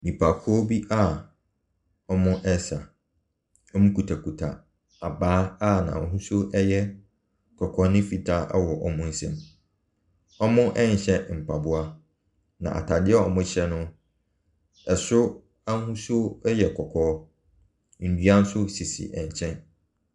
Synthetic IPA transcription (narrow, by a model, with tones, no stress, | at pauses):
nĩ˨pʰa˨kʰɔ˦bi˦ʔa˦˨ | ɔ˦mʊ̃˦ʔɛ˦sa˨ | ɔ˦mũ˦kʰu˨tʰa˨ku˨tʰa̰˨ | a˨baː˦a˦nã̰˨ɔ˨ɦũ˦su˦ʔɛ˦jɛ˦ | kʰɔ˨kʰɔ˨˦nɪ̃˦fi˨tʰa˦ɛ˦wɔ˨ʔɔ˦mʊ̃˦n̩˦sɛ̰̃˦m | ɔ˦mʊ̃˦ʔɛ˦ɲ˨ɕɛ̃˦m̩˨pʰa˨bʊ˨a˦ | nã˨ʔa̰˨tʰa˨dɪ˦ɛ˦ɔ˨mʊ̃˦ɕɛ˦nʊ̃˦ | ɛ˨sʊ˦ | a˦n˦hũ˦so˦jɛ˨kʰɔ˨kʰɔː˦ | n̩˨dɥa˦n̩˦sʊ˦si˨sḭ˨ʔɛ˨ɲ˨t͡ɕʰɛ̃˦n